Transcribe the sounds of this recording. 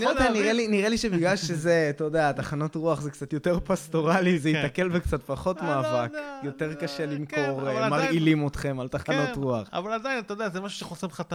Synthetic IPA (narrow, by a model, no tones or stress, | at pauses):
niod̪eaniʁeliniʁeliʃebiɡlalʃʃezetodeat̪aχanotʁuaχzekt͡sat̪jo̞te̞ʁpast̪o̞ʁalizejit̪ake̞lvekt͡satpaχo̞tmaːvakjo̞t̪e̞ʁkaʃelimkoʁmːaʁilimot̪χe̞malt̪aχanotʁuaχa̰valad̪ajinat̪ajodeazemaʃu̥ʃeχosemχat̪a